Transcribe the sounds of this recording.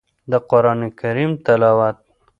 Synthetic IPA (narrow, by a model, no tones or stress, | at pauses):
d̪əqʊɾɑːnekaɾimt̪alawat̪̚